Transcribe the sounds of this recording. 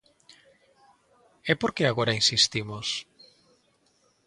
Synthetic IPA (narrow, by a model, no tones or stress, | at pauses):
ɛpoɾkeaɣoɾainsist̪imos